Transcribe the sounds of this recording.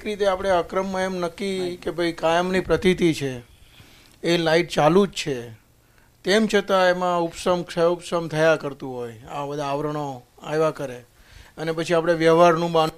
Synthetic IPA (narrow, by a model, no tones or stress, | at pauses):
kɾit̪eapəɽ̃eəkɾəmːəemnəkːikebʱəjkajəmnipɾət̪it̪it͡ʃʰe | laiʈ̚t͡ʃalud͡ʒt͡ʃʰe | t̪emt͡ʃʰət̪aemãupsəmksəupsəmt̪ʰəjakəɾt̪ũɦoja̰bəd̪ʱaːʋɾəɽ̃o | a̰jʋakəɾe | ənepət͡ʃʰiapɽ̃eʋjəɦaɾnũban